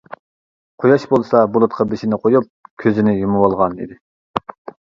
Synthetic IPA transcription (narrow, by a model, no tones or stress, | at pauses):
qʰojɑʃbolˠsɑbolˠut̪̚qʰɑbeʃɪnɪqʰojup̚kʲʰøzɪnɪjumɨwɑlˠʁɑnḭd̪ɪ